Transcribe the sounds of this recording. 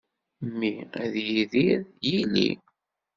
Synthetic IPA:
mːiæðjiðiðjilḭ

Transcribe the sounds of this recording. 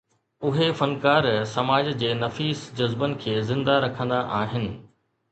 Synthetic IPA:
ʊɦefɐnkaːɾsɐmaːd͡ʑd͡ʑeːnɐfiːsd͡ʑɐzbənɪ̆kʰeːzɪ̃nd̪aɾɐkʰə̃nd̪aʔaːɦɪnɪ̆

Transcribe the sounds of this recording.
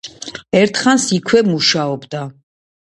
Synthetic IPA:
ɛɾt̪ʰχansikʰwɛmuʃaɔbd̪a

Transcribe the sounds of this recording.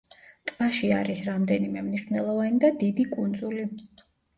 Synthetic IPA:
t̪ʼmaʃia̰ɾisɾamd̪ɛnimɛmniʃvnɛlˠɔvanid̪ad̪id̪ikʼund̪zuli

